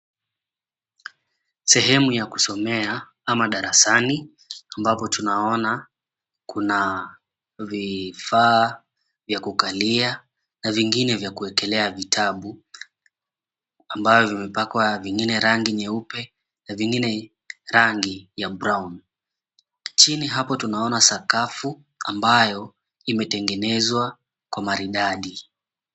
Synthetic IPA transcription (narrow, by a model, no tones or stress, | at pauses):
sɛɦɛmujaku̥sɔmɛa | amaɗaɾasani | ambapɔtunaɔna | kuna | vifaː | vjakukalia | naviŋɡinɛvjakuɛkɛlɛavitʰaɓu | ambavɔvimɛpakwaviŋɡinɛɾaŋɡiɲɛupɛ | naviŋɡinɛ | ɾaŋɡijabɾawn | t͡ʃiniɦapɔtunaɔnasakafu | a̰mbajɔ | imɛtɛŋɡɛnɛzwa | kwamaɾiɗaɗi